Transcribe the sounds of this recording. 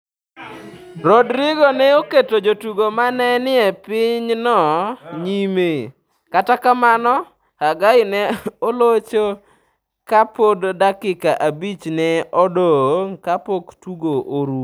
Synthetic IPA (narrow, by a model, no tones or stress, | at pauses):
ɾodɾɪɡonɛoketod͡ʒotuɡomanɛnɪɛpɪɲnɔɲime | katakamanɔ | aɡaɪnɛolot͡ʃo | kapoddakɪkaʔabit͡ʃnɛɔdoŋkapoktuɡoʔoɾu